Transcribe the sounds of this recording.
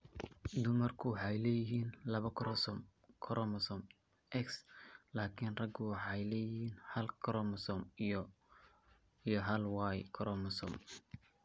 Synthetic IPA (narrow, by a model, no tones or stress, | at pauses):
d̪ʊmɐrkʰʊwɑħɑjlɛːjɪɦiːnlɐβɐkʰɔɾɔsɔm | kʰɔɾʔɔmɐsɔm | ʔɛkslaːkʰinrɐɡʊwɑħɑjlɛːjɪhiːnhɐlkʰɾɔmsɔm | ijɞɦɐlwɑːjkʰɔɾʔɔmɐsɔ̰m